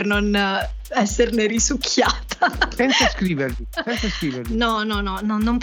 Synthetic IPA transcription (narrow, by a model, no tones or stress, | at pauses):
rnon | ɛsːerneɾisukʰːjaːt̪ʰasɛnsaskɾiːverlisɛnsasɾiːverlinɔnɔnɔnɔnomp